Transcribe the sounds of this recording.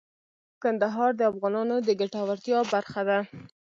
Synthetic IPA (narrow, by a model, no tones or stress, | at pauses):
kand̪aɦɑɾd̪əafɣɑnɑnod̪əɡaʈɑwaɾt̪jɑbaɾxad̪a